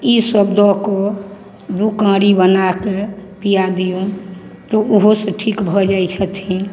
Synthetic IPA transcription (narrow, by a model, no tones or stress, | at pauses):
isəbd̪ʱɔko | d̪ukãɾibənakepijad̪ijot̪ɔuɦosẽʈʰikbʱɔd͡ʒajt͡ʃʰət̪ʰĩ